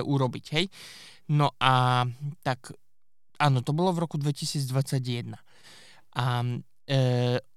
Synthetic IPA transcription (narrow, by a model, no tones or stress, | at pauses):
ɛʔuɾɔbicɦɛj | nɔʔat̪ak | ʔaːnɔt̪ɔbɔlɔvɾɔkud̪ʋɛcisiːd͡zd̪ʋat͡sːaɟjɛd̪na | ʔa